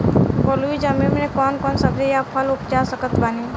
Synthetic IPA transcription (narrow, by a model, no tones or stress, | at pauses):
bɔːluid͡ʒamimnekɔːnkɔːnsəbd͡ʒejapʰəlʊpd͡ʒaːsəkət̪baniː